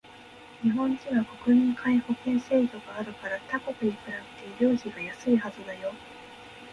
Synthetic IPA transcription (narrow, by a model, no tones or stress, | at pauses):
ɲ̟iɦõ̞ɲt͡ɕĩŋako̞kɯ̟mʲĩŋkʰaiho̞kẽ̞ɰ̃se̞ːkʲo̞ɡaːɾɯ̟kaɾat̪ako̞kɯɲʲikɯ̟ɾabet̪e̞ɾʲo̞ːʑiɡajasɨihazɨd̪ajo̞